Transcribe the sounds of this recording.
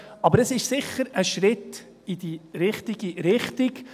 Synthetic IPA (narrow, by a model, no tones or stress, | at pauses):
ɑbəɾəsɪʃsɪχəɾəʃɾɪt | id̥iɾɪχtiɡiɾɪχtik